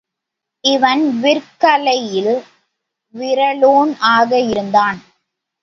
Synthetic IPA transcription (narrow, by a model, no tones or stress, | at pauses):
ʔɪʋɐnʋɪɾkɐlɐjɪl | ʋɪɾɐɭoːnaːɣɐɪɾɯnd̪aːn